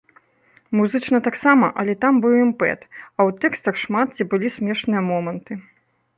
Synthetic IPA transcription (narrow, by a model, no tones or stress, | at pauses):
muzɨt͡ʂnɐt̪aksamɐʔɐlʲɛt̪ambɨwimpɛ̰t̪ɐwt̪ɛkst̪ɐxʂmat̪̚t͡sʲibɨlʲisʲmʲɛʂnɨjɐmɔmɐnt̪ɨ